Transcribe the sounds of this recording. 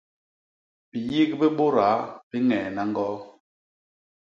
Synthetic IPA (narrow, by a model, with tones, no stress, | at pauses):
bi˨ji˦kbi˦ɓo˦ɾa˨˦bi˦ŋɛː˨na˦ŋ˦ɡɔ˦